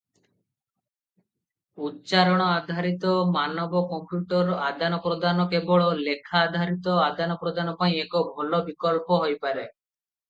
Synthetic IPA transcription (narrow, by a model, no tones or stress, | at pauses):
ut̪t͡ʃaɾɔɽ̃ɔad̪ʱaɾit̪ɔmanɔbɔkɔmpjuʈɔɾad̪ʱanɔpɾɔd̪ʱanɔkebɔɭɔlekʰaːd̪ʱaɾit̪ɔad̪anɔpɾɔd̪ʱanɔpaĩekɔbʱolɔbikɔlpɔɦojpaɾe